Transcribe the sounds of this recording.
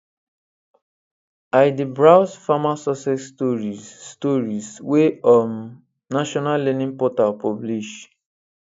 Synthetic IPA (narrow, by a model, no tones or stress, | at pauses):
ajdibɹawsfamasɔsɛstɔɹitɔɹisweɔm | naʃɔnallenĩŋpɔtapɔbliʃ